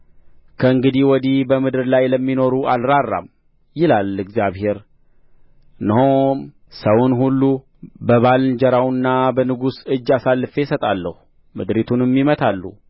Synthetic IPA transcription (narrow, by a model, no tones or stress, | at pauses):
kʰəɨŋɡɨd̪iwɔd̪ibəmɨd̪ɨɾlajləmːino̞ɾuʔalɾarːa̰m | jɪlalɨɡzjaβhe̞ɾ | nɨhom | səwunɦulːu | bəβalnd͡ʒəɾawnːabənɨɡusɨd͡ʒːasalːɨfe̞sət̪ʼalːəhu | mɨd̪ɾit̪ʰunɨmːimət̪ʰalːṵ